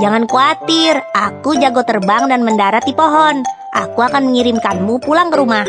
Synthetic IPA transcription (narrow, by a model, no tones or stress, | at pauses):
d͡ʒaŋankuat̪ɪrakud͡ʒaɡot̪ərbaŋdanməndaɾat̪̚dipoɦɔn | ʔa̰kuakanməŋiɾɪmkanmupulaŋkəɾumah